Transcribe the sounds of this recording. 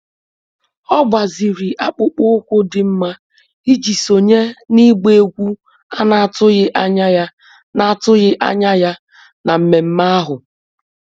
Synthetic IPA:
ɔ˦bʷa˨zi˨ɾi˨ʔa˨k͡pʊ˦k͡pʊ˦ʊ˦kʷʊ˦dɪ˨m̩˦ma˦ | i˦d͡ʒi˨so˨ɲe˦ni˦ɡ͡be˦˨˦ɡʷu˦ | a˦na˨a˨tʊ˦ɣɪ˦ʔa˦ɲa˦ja˦ | na˦˨a˨tʊ˦ɣɪ˦ʔa̰˦ɲa˦ja˦ | na˨m̩˨me˨m̩˦ma˦a˦ɦʊ˨

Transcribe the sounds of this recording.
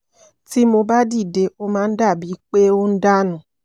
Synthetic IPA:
ti˦mo˧ba˦di˦˨de˧ʔo˦mãː˨˦n̩˦da˦˨bi˨˦k͡pe˦o˦n̩˦da˦nũ˨

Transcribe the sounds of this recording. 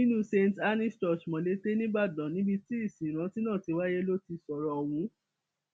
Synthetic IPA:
nĩ˦nũ˦se˧nta˧˦ni˦stɔ˨ʃmɔ̃˨le˨˦te˦nĩ˦ɡ͡ba˦˨dã˨nĩ˨˦bi˧ti˦i˦˨sĩ˨ɾ̃ã˨˧˦ti˦nãː˦˨ti˨˧wa˦je˦lo˦ti˧sɔ˨ɾɔ˨wũ˨˦

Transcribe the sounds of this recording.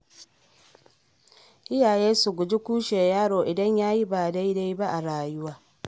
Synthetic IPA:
i˦ja˨je˦su˨ɡu˨ɟi˦ku˦ʃe˨ja˦ɾo˨ʔi˨ɾe˦ɲa˦ji˦βa˨ɾe˦i˦ɾe˦iβa˦ʔːɾaː˨jiwa

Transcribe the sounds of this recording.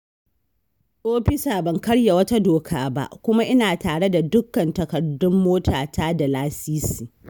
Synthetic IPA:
ʔoː˦ɸɪ˦saː˨bɐ˨ŋkɐ˦ɽja˨wɐ˦ta˦doː˨kʰaː˦ba̰˦ʔkʷʊ˦ma˦ʔɪ˦naː˨taː˨ɽe˦da˨dʊ˦kːɐ˨ntɐ˨kɐ˨dːʊ˦mːoː˦tʰaː˨taː˦da˨laː˦siː˦siː˨

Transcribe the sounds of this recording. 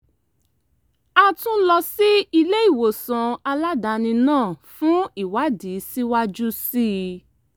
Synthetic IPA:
a˧tũ˦lɔ˧si˦i˧le˦i˦˨wo˨sã˨a˧la˦da˨˦nĩ˧nãː˦˨fũ˦i˦˨wa˦di˨˦si˦wa˦d͡ʒu˦si˦

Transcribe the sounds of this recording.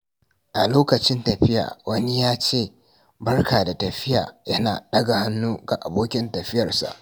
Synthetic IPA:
ʔa˨loː˦kɐ˨t͡ʃɪ˦ntɐ˨ɸɪ˦ja̰ː˨wʔɐ˦ni˦jaː˦t͡ʃeː˦˨ | bɐ˦rkaː˨da˨tɐ˨ɸɪ˦ja̰ː˨jɐ˦na̰ː˨ɗɐ˦ɡa˨ha˦nːuː˦ɡa˨ʔa˨boː˦kʲɪ˦ntɐ˨ɸɪ˦jɐ˨rsa̰˨ʔ

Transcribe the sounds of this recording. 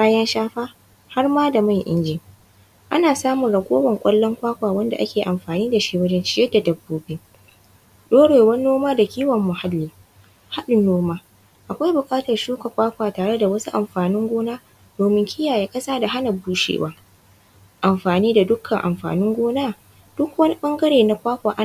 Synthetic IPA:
baː˦jɐ˦nʃaː˦ɸaː˦ | ha˦rmaː˦da˨ma˦˨ŋʔɪ̰˦nd͡ʒɪː˨ | ʔa˦naː˨saː˦mʊ˨ɽɐ˨kʷʼoː˦wɐ˨ŋkʷʼɐ˦lːɔ˦ŋkʷaː˦kʷaː˨wɐ˦nda̰˨ʔa˦kʲʰeː˨ʔa˨mɸaː˨niː˦da˨ʃiː˦wɐ˦d͡ʒɛ˦nt͡ʃɪ˦jɐ˦da˨dɐ˨bːoː˦beː˦ | ɗoː˦ɽeː˨wɐ˦nːoː˦maː˦da˨kʲiː˦wɐ˨mːʊ˨ha˦lːiː˨ | ha˦ɗʊ˨nːoː˦maː˦ | ʔa˨kʷa˦jbʊ˨kʼaː˦tɐ˨rʃuː˦ka˨kʷaː˦kʷaː˨taː˨ɽe˦da˨wɐ˦su˦ʔa˨mɸaː˨nɪ˦ŋɡʷoː˦naː˦ | d̥oː˨mɪ˦ŋkʲʰɪ˦jaː˨je˦kʼɐ˦saː˦da˨ɦa˦nɐ˨buː˦ʃḛː˨waː˦ | ʔa˨mɸaː˨niː˦da˨dʊ˦kʰːɐ˨ŋʔa˨mɸa̰ː˨nɪ˦ŋɡʷoː˦naː˦ | d̥ʊ˦kwɐ˦ni˦ɓɐ˦ŋɡɐ˦ɽeː˨na˨kʷaː˦kʷaː˨ʔa˦

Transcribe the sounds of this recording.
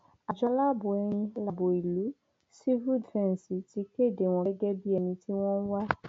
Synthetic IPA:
a˨d͡ʒɔ˦la˦bʊ˨ɛ˨ɾ̃ĩ˧˦la˨bo˨i˨lu˨˦ | si˦vu˦dvɛ̃˦n˨si˨ti˦ke˦˨de˨w̃ɔ̃˨ɛ˦ɡɛ˦bi˦ɛ˨mĩ˨tʰi˦w̃ɔ̃˦n˦wa˦

